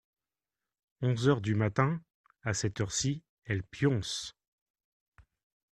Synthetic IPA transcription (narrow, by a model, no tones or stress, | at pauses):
ɔ̃zœʁd̪ymat̪ɛ̃ | asɛt̪œʁsi | ɛlpjɔ̃s